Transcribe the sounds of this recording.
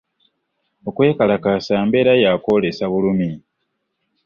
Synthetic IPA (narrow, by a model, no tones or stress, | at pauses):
o̞kwe̞ːkalakasaːmbe̞ɾajako̞le̞saβulumi